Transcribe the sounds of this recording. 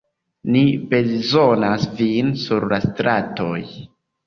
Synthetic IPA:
nibe̞zo̞nasvinsuɾlastɾato̞̰j

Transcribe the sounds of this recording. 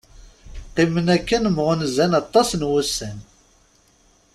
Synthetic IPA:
qimənækːənmʁʊnzænɑt̪ˤːɑsnwusːən

